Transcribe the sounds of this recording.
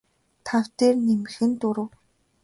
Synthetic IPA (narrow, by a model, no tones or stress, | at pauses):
t̪ʰawt̪eːrnemɘ̆xɘ̆nt̪ʊɾə̆w